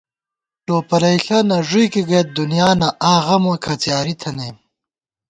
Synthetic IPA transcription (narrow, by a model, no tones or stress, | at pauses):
ʈoːpɐɾɐjɬɐnɐʐujkiɡet̪̚d̪unjaːnɐʔaːɣɐmakʰɐt͡sjaːɾit̪ʰɐneːm